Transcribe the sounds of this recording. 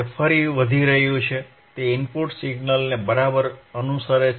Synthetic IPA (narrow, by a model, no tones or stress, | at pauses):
fəɾiʋəd̪ʱiɾəɦjũt͡ʃʰe | t̪eɪmpoɾʈsɪɡnəlnebəɾabəɾənusaɾe